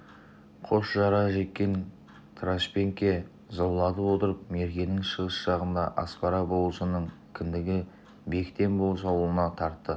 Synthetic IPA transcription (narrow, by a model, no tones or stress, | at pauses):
qʰo̞sʒɑɾɑʒe̞t̪̚kʲːe̞n | t̪ʰɾaʃpʲe̞ŋkʲːe̞ | zɑwlˠɑd̪əwo̞t̪əɾəp̚me̞ɾɡʲe̞nɪŋʃəʁəsʒ̥ɑʁənd̪ɑʔɑ̰spɑɾɑbowˠəsənəɴkʲʰɪnd̪ɪɡʲɪ | be̞kʲɪt̪e̞nbo̞lˠs̬ɑwlˠənɑt̪ʰɑɾt̪ːə